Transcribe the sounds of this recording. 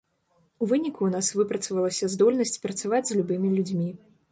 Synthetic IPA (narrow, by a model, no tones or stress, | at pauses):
uvɨnʲikuːnasvɨpɾɐt̪sɐvɐlˠɐsʲɐzd̪ɔlʲnɐsʲt͡sʲpɾɐt̪savad͡zʲzʲlʲubɨmʲilʲud͡zʲmʲi